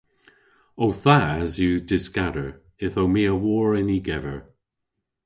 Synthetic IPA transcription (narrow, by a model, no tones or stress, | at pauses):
owθaːzjudɪskaɾəɹ | ɪθomiːəwɔːɹɛniɡɛvəɹ